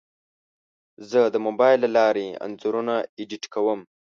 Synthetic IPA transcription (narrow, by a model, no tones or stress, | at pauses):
zəd̪əmobɑjlːalɑːɾea̰nzuɾunaeɖiʈkawəm